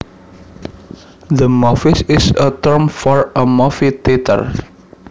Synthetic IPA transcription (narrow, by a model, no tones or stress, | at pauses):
d̪əmɔfisɪsət̪əɹmfɔɹəmɔfit̪et̪ə̰r